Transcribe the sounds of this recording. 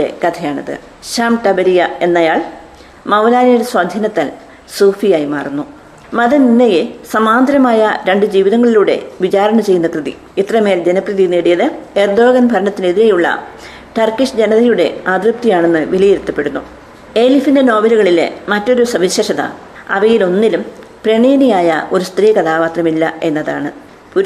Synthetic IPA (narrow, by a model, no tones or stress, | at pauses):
e̞̰kɐt̪ʰɐjaːɳɐ̰ðɨ̰ | ɕaːmʈɐbɐɾijɐe̞nːɐjaːɭ | mɐwlaːnijuɾeswad̪ʱɐnɐt̪ːɐl | suːfijaːjimaːrunːu | mɐðɐninːejesɐmaːnd̪ɾɐmaːjɐɾe̞ɳɖɨd͡ʑiːʋiðɐŋːɐɭiluːɽe̞̰ʋit͡ɕaːɾɐɳɐmt͡ɕe̞jːunːɐkrɨðḭ | it̪rɐmeːld͡ʑenɐprɨðineːɽijɐðɨerd̪o̞ːɣɐnbʱɐɾɐɳɐt̪ːineðiɾejuɭːɐ̰ | ʈɐrkːiʂd͡ʑe̞nɐðɐjuɽe̞̰aːd̪rɨp̚t̪ijaːɳe̞nːɨʋilijiɾut̪ːɐpːe̞ɽunːu | e̞ːlifindeno̞ːbɐluɣɐɭilḛmɐtːo̞ɾusɐʋiɕeːʂɐðɐ̰ | ɐ̰ʋɐjilo̞nːilum | prɐɳeːnijaːjɐ̰ʔo̞ɾust̪riːkɐðaːʋaːt̪rɐmilːɐ̰e̞nːɐða̰ːɳɨ | pu